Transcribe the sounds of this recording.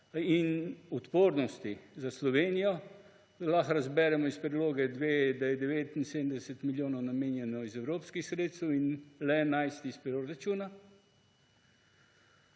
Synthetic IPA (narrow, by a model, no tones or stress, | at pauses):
inut̪poːɾnɔst̪izaslɔʋeːnijɔ | laxɾazbɛɾɛmɔispɾɛd̪loːɡɛd̪ʋeːd̪ajɛd̪ɛʋeːt̪insed̪nd̪ɛsɛt̪miljoːnɔwnameːnjɛnɔizɛwɾoːpskixsɾeːt̪st̪ɛwinlɛnajst̪ispɾɔɾat͡ʃuːna